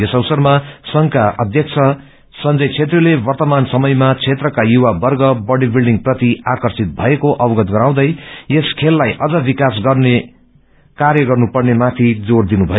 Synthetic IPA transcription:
esʌwsʌrmasʌŋkaʌd̪ʱjʌk̚t͡sʰʌ | sʌnd͡zʌjt͡sʰet̪rʌlebʌrt̪ʌmansʌmʌjmat͡sʰet̪rʌkajuwabʌrɡʌbʌɽibilɖiŋɡprʌt̪iakʌrsit̪̚bʱʌekoʔʌbʌɡʌt̪̚ɡʌɾaw̃d̪ʌjeskʰelːajʔʌd͡zʌbikasɡʌrne | kaɾjʌɡʌrnupʌrnemat̪ʰid͡zord̪inubʱʌj

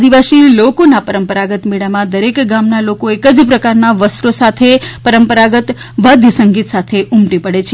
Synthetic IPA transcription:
d̪iʋasilokonapəɾəmpəɾaɡət̪miɭamãd̪əɾekɡamnalokoekəd͡ʒpɾəkaɾnaʋəsɾosat̪ʰepəɾəmpəɾaɡət̪ | ʋəd̪ʱjəsəŋɡit̪sat̪ʰeʔumʈipəɽet͡ʃʰ

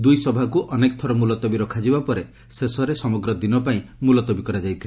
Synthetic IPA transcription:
d̪ujsɔbʱakuʔɔnek̚t̪ʰɔɾɔmulɔt̪ɔbiɾɔkʰad͡ʒibapɔɾe | sesɔɾesɔmɔɡɾɔd̪inɔpaĩmulɔt̪ɔbikɔɾad͡ʒajt̪ʰilee

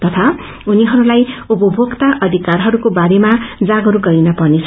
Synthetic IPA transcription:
t̪ʌt̪ʰa | uniɦʌɾulajupʌbʱokt̪aʔʌd̪ʱikarɦʌɾukobaɾemad͡zaɡʌɾuɡʌɾinʌpʌrnet͡sʰ

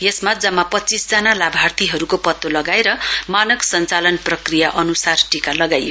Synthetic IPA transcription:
jesmad͡zʌmːapʌtːt͡sisd͡zanalabʱart̪ʰiɦʌɾukopʌt̪ːolʌɡaeɾʌmanʌksʌnt͡salʌnprʌkrijaʔʌnusarʈikalʌɡajo

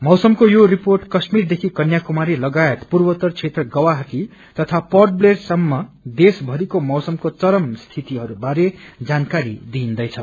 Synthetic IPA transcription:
mʌwsʌmkojoriporʈkʌsmird̪ekʰikʌnjakumaɾilʌɡaet̪purbʌt̪ʌrt͡sʰet̪rʌɡʌwaɦʌki | t̪ʌt̪ʰapʌrʈ̚blersʌmːʌd̪esbʱʌɾikomʌwsʌmkot͡sʌɾʌmst̪ʰit̪iɦʌɾubaɾed͡zankaɾid̪ind̪ʌjt͡sʰʌ

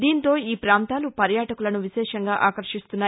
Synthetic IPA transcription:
d̪iːnt̪o̞ːiːpɾaːnt̪aːlupɐɾjaːʈɐkulɐnuʋiʃɛːʂɐŋɡaːʔaːkɐɾʂist̪unːaː

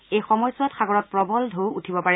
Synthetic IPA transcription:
ejxɔmɔjsʊatxaɡɔɹɔt̚pɹɔbɔldʱowutʰibɔpaɹɛ

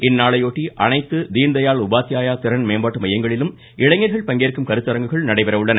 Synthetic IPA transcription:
ɪnːaːɭɐjoːʈːiʔɐnɐɪt̪ːɯd̪iːnd̪ɐjaːɭʊbaːt̪ːɪjaːjaːt̪ɪɾɐnmeːmbaːʈːɯmɐjɐŋɡɐɭɪlɯm | ɪɭɐŋːɐɾɣɐɭpɐŋɡeːɾkːɯmkɐɾɯt̪ːɐɾɐŋɡɯɣɐɭnɐɽɐɪpɐɾɐʋɯɭːɐnɐ

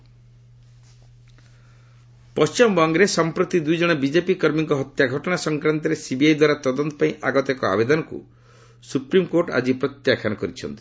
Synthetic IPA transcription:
pɔst͡ʃimɔbɔŋɡɾesɔmpɾut̪id̪ujd͡ʒɔɽ̃ɔbid͡ʒepikɔɾmiŋkɔɦɔt̪jaɡʱɔʈɔɽ̃asɔŋkɾant̪ɔɾesibiajd̪waɾat̪ɔd̪ɔnt̪ɔ̥paĩʔaɡɔt̪ekɔa̰bed̪ɔnɔkṵ | supɾimkoɾʈa̰d͡ʒipɾɔt̪jakʰanɔkɔɾit͡ʃʰɔ̰nt̪i̥

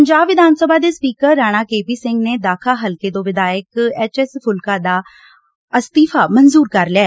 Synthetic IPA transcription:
pəɲd͡ʒaːbʋɪd̪aːnsəbaːd̪eːspiːkəɾːaːɽ̃aːkeːpiːsɪ̃ŋɡneːd̪aːkʰaːɦəlkeːt̪õːʋɪd̪aːɪkɛːt͡ʃɛspʰʊlkaːd̪aː | əst̪iːfʰaːmənzuːɾkəɾlɪjaː

